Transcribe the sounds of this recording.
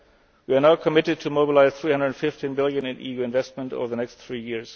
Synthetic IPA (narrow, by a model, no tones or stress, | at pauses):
wiə˞naʊkʰəmɪɾɨd̚tʰɨmoʊbɪlaɪz̥θɹihʌ̃ndɹədfɪftʰĩnbɪlˠjɨ̃nɪ̃nʔḭjuɪ̃nvɛst̚mə̃nto̰ʊvə˞ðənɛkstθɹijɪɹz̥